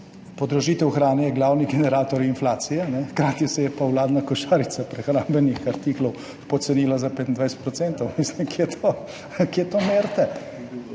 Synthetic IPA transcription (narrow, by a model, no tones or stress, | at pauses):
pod̪ɾɔʒiːt̪ɛwxɾaːnɛjɛɡlaːwniɡɛnɛɾaːt̪ɔɾinflaːt̪sijɛnɛxkɾaːt̪jisɛjɛpawlaːd̪nakɔʃaːɾit̪sapɾɛxɾaːmbɛnixaɾt̪iklɔw | pɔt̪sɛniːlazapet̪nd̪ʋajsɛ̥t̪pɾɔsɛnt̪ɔwmislimket̪ʰo | kʲjet̪oːmeːɾt̪ɛ